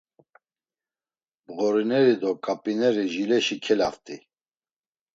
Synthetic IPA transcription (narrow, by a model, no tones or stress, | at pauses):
bɣɔɾinɛɾid̪ɔkʼapʼinɛɾiʒilɛʃikʰɛlaft̪ʼi